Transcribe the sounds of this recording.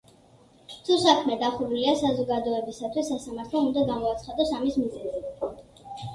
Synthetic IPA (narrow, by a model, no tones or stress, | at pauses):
sʰusakʰmɛd̪aχuɾuliasazɔɡad̪ɔɛbisat̪ʰwisːasamaɾt̪ʰlˠɔund̪aɡamɔat̪sʰχad̪ɛsamismizɛzɛi